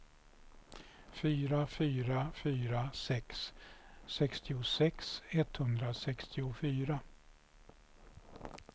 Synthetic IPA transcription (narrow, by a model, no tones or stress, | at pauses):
fyːɾafyːɾafyːɾasɛksː | ɛkst̪ɪʊsɛksɛt̪hɵnd̪ɾasɛkst̪ʰɪʊfyːɾa